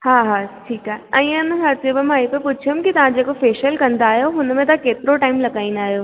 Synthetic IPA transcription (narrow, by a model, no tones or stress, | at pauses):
haːɦaːʈʰiːkaɦɛ̃ːʊnɦɐɾtebəmaːipepʊt͡ʃʰəmkit̪ɐʋ̤ãd͡ʑeːkofeːʃəlkɐ̃nd̪aːɦijoɦʊnmẽt̪ɐkeːt̪ɪɾoʈaːɪmlɐɡaːĩnaːɦijoː